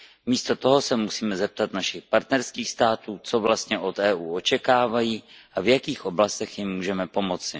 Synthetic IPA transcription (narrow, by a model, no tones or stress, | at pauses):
miːst̪ot̪oɦo̞sɛmusiːmɛzɛp̚t̪at̪naʃɪxpaɾt̪nɛɾskiːxst̪aːt̪uːt͡so̞vlast̪ɲɛʔo̞t̪ɛːʔuːot͡ʃɛkaːvajiːʔavjakiːxʔo̞blast̪ɛxjɪmːuːʒɛmɛpo̞mot͡sɪ